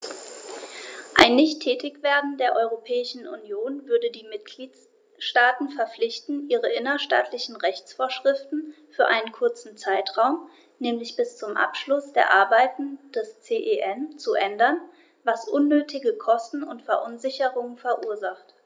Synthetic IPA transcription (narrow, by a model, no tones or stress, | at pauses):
ʔaɪnːɪçtʰːɛːtɪçv̥eːɐdn̩deːɐʔɔʏʁopʰɛːɪʃn̩ʔṵnjoːnvʏɐdədiːmɪt̚ɡ̥liːt | ʃtaːtn̩fɛɐflɪçtn̩ʔiːʁəʔɪnɐʃta̰ːtʰlɪçn̩ʁɛçt͡sfoːɐʃʁ̥ɪftn̩fyːɐʔaɪnənkʰʊɐt͡sn̩t͡saɪtʁ̥aʊm | nɛːmlɪçb̥ɪst͡sʊmʔa̰pʃlʊsd̥ḛːɐʔaɐbaɪtn̩d̥ɛst͡seːʔeʔɛnt͡suʔɛndɐn | vasʔʊnːøːtʰɪɡəkʰɔstn̩ʊntfɛɐʔʊnzɪçəʁʊŋənfɛɐʔuːɐzaχt